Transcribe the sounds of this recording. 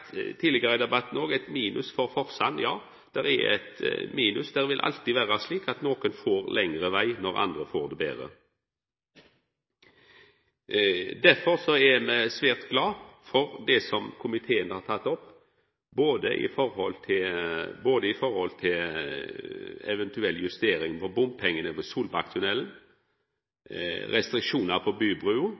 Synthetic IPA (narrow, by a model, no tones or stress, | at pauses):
t̪ʰiːlɪɡəɾəd̪ɛbɑt̪n̩oːɡɛt̪miːnʔʉsfɔɾfɔʁsɑnːjɑː | d̪̥ɛɾɛ̰ɛ̰t̪miːnʉ̰sd̪æɾʋɪlʔɑ̰lt̪iʋæːʁɑsliːkɑt̪noːkənfoːɾlʔɛŋʁəʋæɪnɔɾɑ̰nd̪ɾəfo̰ːɾd̪ɛbḛːʁə̰ | d̪æʁfɔɾsɔɛmɛsʋæːʁt̪ɡlɑːfɔɾd̪ɛsɔmkʰʊmɪt̪ʰeːənəhɑɾt̪ʰɑt̪ːɔpː | boːd̪əʔɪ̰fɔɾhɔlt̪ʰɪlboːd̪əɪfɔɾhɔlt̪ʰɪl | ɛ̰ʋɛnt̪ʉɛlːjʉst̪eːɾɪŋpɔbʊmpʰɛŋːənəʋɛsuːlbɑkt̪ʰʊnɛln̩ | ɾɛst̪ɾɪkʂuːnɑpʰɔbyːbʁʉːʊ